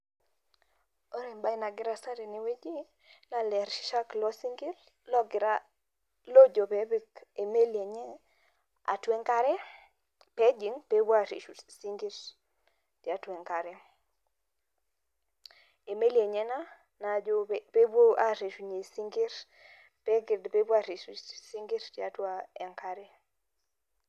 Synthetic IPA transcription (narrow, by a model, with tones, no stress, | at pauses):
o˦ɾe˨mba˦ɪ˦na˨ɡɪ˦ɾa˨sa˦ɾe˨ne˨we˦d͡ʒi˦ | la˦lɛ˨ɾʃa˦klɔ˦si˦ŋɡi˦ɾ | lɔ˦ɡɪ˨ɾa˦ | lo˦d͡ʒo˨pɛ˨be˦ke˨me˦le˨ɲɛ˦ | a̰˨twɛ˦ŋka˦ɾɛ˦ | pe˦d͡ʒi˨˦ŋpe˦bo˦a˦˨ɾḛ˨ʃu˨si˦ŋɡi˦ɾ | ti˨a˦twɛ˨ŋka˨ɾɛ˦ | e˨me˦lje˨ɲɛ˦na˦ | na˨d͡ʒo˦pe˦bwo˦a˦ɾe˨ʃu˨ɲe˨si˦ŋɡi˦ɾ | pɛ˦ɡɪ˨dpe˦bwa˦˨ɾe˨ʃu˨si˦ŋɡi˦ɾti˦a˦twa˦ɛ˨ŋka˦ɾɛ˦